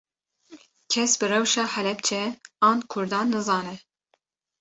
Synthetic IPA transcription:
kʰɛsbɨrɛwʃɑːħɛlɛp̚t͡ʃʰɛɑːnkʰʊɾd̪ɑːnːɨzɑːnɛ

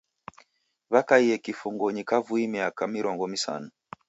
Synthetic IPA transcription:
βakaiɛkifuŋɡɔɲikavuimiakamiɾɔŋɡɔmisa̰nu

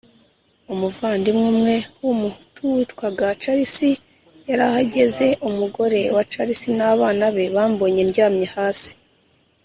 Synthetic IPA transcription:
umuvaːndimŋumŋe̞wumutuwitkwaɡat͡ʃaɾisi | jaɾahaɟe̞ze̞ʔumuɡo̞ɾe̞wat͡ʃaɾisinaːβaːnaβe̞βaːmbo̞ɲeɾɟaːmɲehaːsi̥

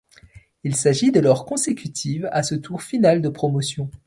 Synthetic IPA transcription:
ilsaʒid̪əlɔʁkɔ̃sekʲyt̪ʰivasət̪ʰuʁfinald̪əpχɔmɔsjɔ̃

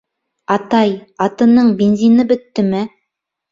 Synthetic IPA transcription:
ɑt̪ɑjɑt̪ɤ̆nɤɴbʲenzʲinɤbɘ̆t̪ːɘmɘ

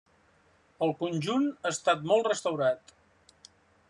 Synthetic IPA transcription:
əlˠkunʲd͡ʒunaːst̪at̪̚mɔlˠtrəst̪əwɾat̪

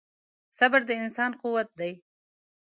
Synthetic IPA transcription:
sabaɾd̪əɪnsɑnquwat̪̚d̪aj

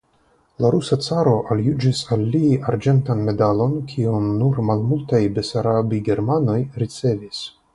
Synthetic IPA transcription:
laɾusat͡saɾo̞ʔaljud͡ʒisalːiaɾd͡ʒe̞ntanme̞dalo̞nkʰionːuɾmalmultajbesaɾabiɡe̞ɾmano̞jɾit͡se̞vis

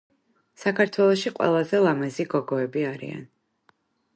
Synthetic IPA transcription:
sakʰaɾt̪ʰwɛlˠɔʃiqʼwɛ̰lˠazɛlˠamɛziɡɔɡɔɛbiaɾḭa̰n

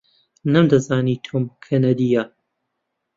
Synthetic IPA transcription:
nɐmd̪ɐzaːniːt̪ʰoːmkʰɐnɐd̪iːjɐ

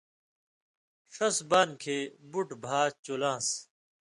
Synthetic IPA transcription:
ʂɐsbaːnkʰeːbuʈbʱaːt͡ɕoːlãːs

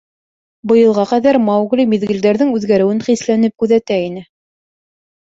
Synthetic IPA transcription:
bɤ̆jɤ̆lˠʁɑqæðæɾmɑwʁlʲimiðɡɘ̆ld̪æɾðɘŋʉðɡæɾɘ̆wɘnχislænɘp̚kʉðæt̪æinɘ

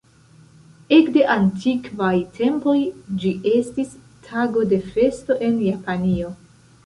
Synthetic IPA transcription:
e̞kde̞ʔantʰikvajtʰe̞mpo̞jd͡ʒiʔe̞stis | tʰaɡo̞de̞fe̞sto̞ʔe̞njapanio̞

